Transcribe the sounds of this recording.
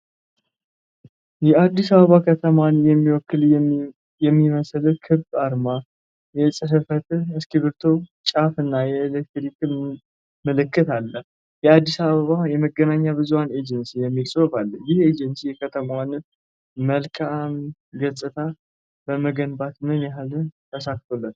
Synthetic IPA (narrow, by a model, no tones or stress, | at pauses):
jɛad̪ːisaβəβakʰət̪ʰəmanjɛmːiwɔkːɨl | jɛmːiməslɨkʰɨbaɾma | jɛsʼɨɦɨfət̪ɨskiβɨɾt̪ʰo̞t͡ʃʼafɨnːajɛɪlekt̪ɾikʼɨmː | ɨlɨkːɨt̪alːə | jɛad̪ːisaβəβajɛməɡənaɲːabɨzuane̞d͡ʒɛnsijɛmːilsʼofalːəjɪhed͡ʒɛnsijɛkʰət̪ʰəmawanɨ | məlkʰam | ɡəsʼɨt̪ʰa | bəməɡənbat̪mɨnjaɦlɨt̪ʰəsakt̪ʰolːət̪